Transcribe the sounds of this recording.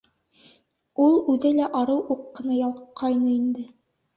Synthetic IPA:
ulˠʉðɘlæʔɑɾɤwʔuqːɤ̆nɑjɑlˠqʰɑjnɤind̪ɘ

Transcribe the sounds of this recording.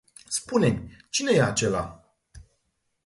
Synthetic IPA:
spune̞mʲt͡ʃine̞jeat͡ʃe̞la̰

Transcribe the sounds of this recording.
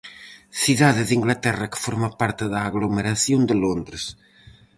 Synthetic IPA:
θiðaðeðiŋɡlat̪ɛrɐkə̥foɾmapaɾt̪ɪðaːɣlomeɾaθjond̪əlond̪ɾes

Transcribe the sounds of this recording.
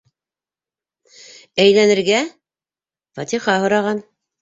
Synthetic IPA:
æjlænɘ̆ɾɡæ | fɑt̪iχɑɦŏɾɑʁɑn

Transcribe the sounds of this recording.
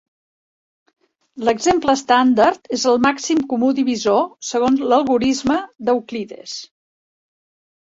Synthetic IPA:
ləɡzempləːst̪and̪ərt̪ezəlˠmaksimkumud̪iβizosəɣ̞onzləlˠɣuɾizməd̪əwkliðḛs

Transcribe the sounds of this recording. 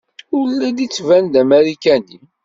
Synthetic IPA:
ʊɾlːæd̪it͡sːvænd̪æmæɾikæni

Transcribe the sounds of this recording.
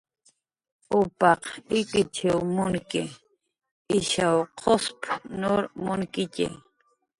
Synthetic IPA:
ʊpɑqɪkɪt͡ʃɪwmʊŋkɪ | ɪʃawqʰospnoɾmʊŋkɪcḛ

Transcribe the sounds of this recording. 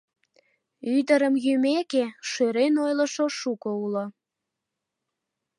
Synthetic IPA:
yd̪əɾəmjymekeʃøɾenojlə̆ʃoʃukoulo

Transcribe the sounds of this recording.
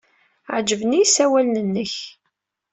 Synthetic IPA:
ʕd͡ʒəvnijsæwælnənːəç

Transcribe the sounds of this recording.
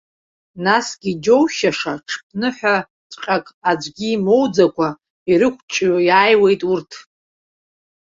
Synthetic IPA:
nasɡ̥ʲid͡ʒo̞wʃaʂaʈ͡ʂʰp̚ʰnɨħʷᶣa | tʰʼqʲʼakʼad͡ʒʷɡʲiːmo̞wd͡zakʷʰa | iɾɨkʷʰʼt͡ʃʼjaːjwe̞jtʼurtʰ

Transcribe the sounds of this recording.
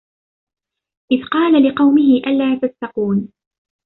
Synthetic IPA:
ʔɪðqɑːlalɪqɑwmɪɦɪʔalaːt̪ast̪ɑquːn

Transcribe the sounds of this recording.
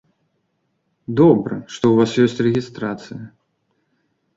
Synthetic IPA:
d̪ɔbɾɐ̰ʂt̪ɔwvasjɔsʲtʲrɛɣʲist̪ɾat̪sɨjɐ

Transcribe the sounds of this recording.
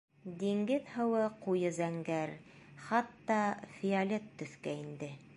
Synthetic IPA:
d̪iŋɡɘðhɤ̆wɤqujɤzæŋɡæɾχɑt̪ːɑfʲialʲet̪ːɵ̆θkæind̪ɘ

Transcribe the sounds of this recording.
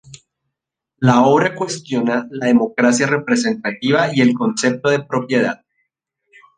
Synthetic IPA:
lao̞βɾakwe̞st̪jo̞nalaðe̞mo̞kɾasjare̞pɾe̞se̞nt̪at̪iβaie̞lko̞nse̞p̚t̪o̞ðe̞pɾo̞pje̞ð̞a̰ð

